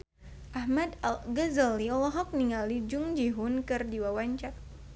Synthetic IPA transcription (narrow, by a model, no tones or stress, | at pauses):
ʔahmad̪alɡəzaliɔlɔɦɔk̚niŋalid͡ʒʊŋd͡ʒiɦʊnkɨrdiwawaɲt͡ʃak̚